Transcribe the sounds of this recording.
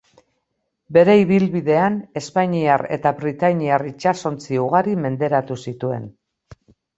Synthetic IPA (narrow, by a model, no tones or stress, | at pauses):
be̞ɾe̞iβ̞ilβiðe̞ane̞spaɲiare̞̰t̪aβɾit̪aɲiarit͡ʃaso̞nt͡siuɣ̞aɾime̞nd̪e̞ɾat̪usit̪ue̞̰n